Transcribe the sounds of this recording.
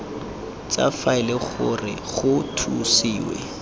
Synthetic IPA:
t͡sʼafaɪlɪχʊrɪ̰ | ɣʊtʰusiːwɛ̰

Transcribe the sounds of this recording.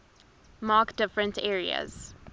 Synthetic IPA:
mɑːkd̥ɪfɹə̃ntʰɛːɹiə̰z̥

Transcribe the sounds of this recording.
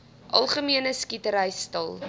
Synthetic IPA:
ʔɐ̰lˠχəmiənəskitəɾəjstɐlˠ

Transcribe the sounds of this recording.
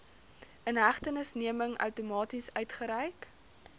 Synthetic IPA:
ʔənɦæχtənəsniəməŋœ̰wtumɑːtisœɥtχəɾɛjk

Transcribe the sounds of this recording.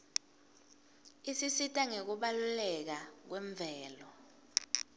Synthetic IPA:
isisitʼaŋek̬uɓalulɛk̬ak̬weɱb̪vʱɛːlɔ

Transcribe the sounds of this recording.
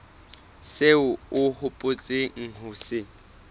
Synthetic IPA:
seʊʊhʊpʼʊt͡sʼɪŋ̩hʊːsɪ

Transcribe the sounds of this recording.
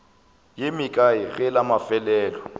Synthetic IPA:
jɪmɪkʼaɪɣɛlamafɛlɛːlɔ

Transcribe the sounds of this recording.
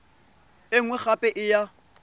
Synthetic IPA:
ɪŋ̩wɛχapʼɛʔɪja

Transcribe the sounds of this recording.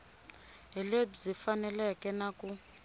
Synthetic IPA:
ɦɛlebzifanɛlɛkɛnaku

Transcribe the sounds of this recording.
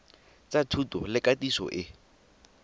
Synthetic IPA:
t͡satʰutɔ̰lɪkatisɔ̰ʔɪ

